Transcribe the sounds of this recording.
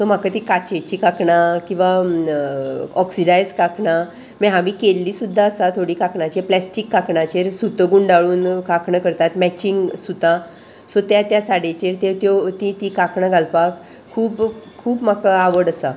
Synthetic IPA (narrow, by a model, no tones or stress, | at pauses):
sɔm̤akat̪ikat͡ɕet͡ɕikakɳakĩw̃ʋa | ɔksiɖajd͡zkakɳa | mɛɦamikelːiːsud̪ʱːaəsat̪ʰoɽiːkakɳat͡ɕeplɛsʈikːakɳat͡ɕeɾsut̪əɡuːɳɖaɭuːnkakɳəkəɾt̪at̪mɛt͡ɕiŋɡsut̪ã | sot̪jat̪jasaɽet͡ɕeɾt̪et̪jot̪it̪ikakɳaɡʱalpak | kʰːuːpkʰuːpm̤akaaʋəɽəsa